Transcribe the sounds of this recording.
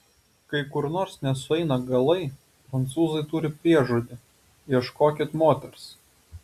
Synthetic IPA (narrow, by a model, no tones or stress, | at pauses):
kɐɪkʊɾnoːɾsnʲɛsʊɛɪnɐɡɐlˠɐɪ | pɾɐnt̪suːzɐɪt̪ʊɾʲɪpʲɾʲiɛʒuːd̪ʲɪ | iɛʃkoːkʲɪt̪moːt̪ʲɛɾs